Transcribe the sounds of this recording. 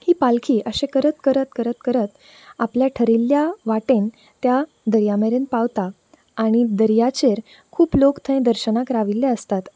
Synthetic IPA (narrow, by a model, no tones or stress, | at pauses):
hiːpalkʰiːʔəɕẽkəɾət̪kəɾət̪kəɾət̪kəɾət̪ | apljaʈʰəɾilːjaʋaʈẽn | t̪ja | d̪əɾjameɾenpaʋt̪aː | ɽ̃id̪əɾjat͡ɕeɾ | kʰuːplokt̪ʰə̃ẽd̪əɾɕənakɾaʋilːeəst̪at̪